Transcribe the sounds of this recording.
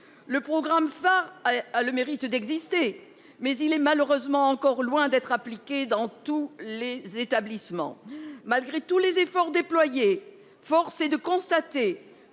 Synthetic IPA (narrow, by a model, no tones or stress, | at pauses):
ləpχɔɡʁamfaʁaləmeʁit̪d̪ɛɡzist̪e | mɛzilɛmaləʁøzmɑ̃ɑ̃kɔʁlwɛ̃d̪ɛt̪χaplikʲed̪ɑ̃t̪ulezet̪ablismɑ̰̃malɡʁet̪ulezefɔʁd̪eplwaje | fɔʁsed̪əkɔ̃st̪at̪e